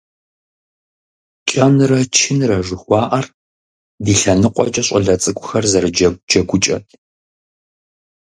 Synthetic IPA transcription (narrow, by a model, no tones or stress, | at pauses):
t͡ʃʼɐnrɐt͡ʃʰɪnrɐʒɨxʷɑːʔɐr | diːɬɐnɨqʷʼɔ̰t͡ʃʼɐɕʷʼɐɮɐt͡sʼɨkʷʼʊxɐrzɐrɨd͡ʒɐd͡ʒɐɡʷʊt͡ʃʼɐ̰t